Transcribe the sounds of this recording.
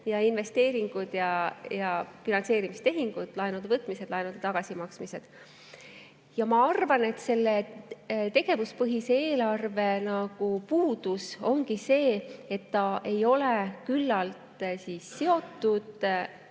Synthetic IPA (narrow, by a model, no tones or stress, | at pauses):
jɑinve̞st̪e̞ːɾiŋɡ̥ud̪̥jɑjɑfinɑnse̞ːɾimist̪e̞ɦiŋɡ̥ud̪̥lɑenud̪̥evɤt̪ːˑmise̞d̪̥lɑenud̪et̪ɑɡ̥ɑsimɑksmise̞d̪̥ | jɑmɑɑrvɑne̞t̪ːse̞lːe | t̪e̞ɡ̥e̞vuspɤɦiseeːlɑrve̞nɑɡ̥upuːd̪̥uso̞ŋɡise̞ːe̞t̪ːɑʔe̞jo̞le̞kylːɑlt̪sisːe̞o̞t̪ːud̪̥